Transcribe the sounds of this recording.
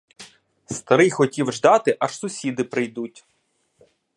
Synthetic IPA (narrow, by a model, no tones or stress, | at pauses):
st̪ɐɾɪjxɔtʲiwʒd̪ɑt̪ɪʔɐʃsʊsʲid̪ɪpɾɪjd̪utʲ